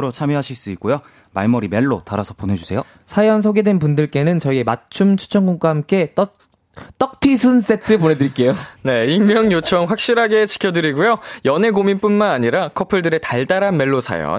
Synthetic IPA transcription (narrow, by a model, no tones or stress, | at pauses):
ɾot͡ɕʰamjʌɦaɕʰiɭs͈uik͈ojo | maɭmʌɾimeɭːotaɾasʰʌponɦe̞d͡ʑusʰe̞jo | sʰajʌnsʰoɡe̞dwe̞npundɯɭk͈e̞nɯnt͡ɕʌie̞mat͡ɕʰumt͡ɕʰu̥t͡ɕʰʌŋɡuŋk͈wahamk͈e̞t͈ | t͈ʌk̚tʰisʰɯns͈e̞tʰɯpone̞dɯɾik͈e̞jone̞immːjʌŋjot͡ɕʰʌŋɸwak̚ɕ͈iɾɦaɡe̞t͡ɕi̥kʰjʌdɯɾiɡujojʌne̞ɡominp͈unmanaɲiɾakʰʌpʰɯɭdɯɾe̞taɭdaɾanme̞ɭːosʰa̰jʌ̰n